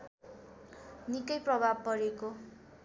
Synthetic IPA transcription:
nikʌjprʌbʱab̚pʌɾeko

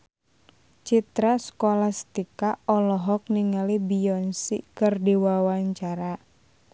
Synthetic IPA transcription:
t͡ʃit̪ɾasə̥kolahst̪ikaɔlɔɦɔk̚niŋalibiɔnsḭkɨrdiwawaɲt͡ʃaɾa

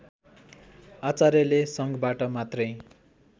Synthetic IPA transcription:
at͡saɾjʌlesʌŋɡbaʈʌmat̪rʌj

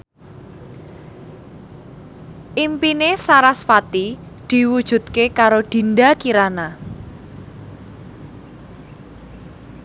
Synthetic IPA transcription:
ʔimpinesaɾasfat̪i | d̪̥i̤wud̥ʒ̥ṳt̪̚kekaɾod̪̥i̤nɖakiɾana

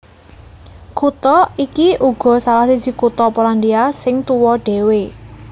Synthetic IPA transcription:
kut̪ɔikiʔuɡ̥ɔ̤salahsi̥d͡ʒ̥i̤kut̪ɔpoland̪iasɪŋt̪uwɔɖ̥e̤we

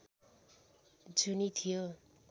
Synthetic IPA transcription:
d͡zunit̪ʰijo

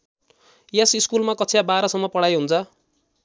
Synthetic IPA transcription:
jesiskulmakʌt͡sʰiabaɾʌsʌmːʌpʌɽajɦunt͡sʰʌ

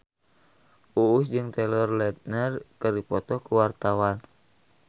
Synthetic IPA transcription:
ʔuːs̬d͡ʒɨŋt̪ɛlɔrlɛt̪̚nərkɨrdipɔt̪ɔkuwart̪awan

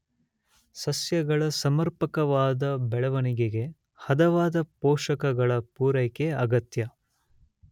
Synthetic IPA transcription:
sɐsjɐɡɐɭɐsɐmɐɾpɐkɐʋaːd̪ɐbɛɭɐʋɐniɡeɡe̞ | hɐd̪ɐʋaːd̪ɐpoːʂɐkɐɡɐɭɐpuːɾɐjkeɐɡɐt̪jɐ

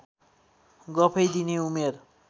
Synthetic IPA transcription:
ɡʌpʰʌjd̪ineumer

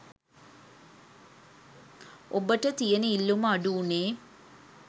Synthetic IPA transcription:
obəʈət̪ijənəilːuməaɖuːneː

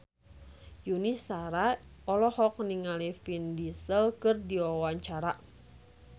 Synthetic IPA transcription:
junisaɾaɔlɔhɔk̚niŋalifindisəlkɨrdiwawaɲt͡ʃaɾa

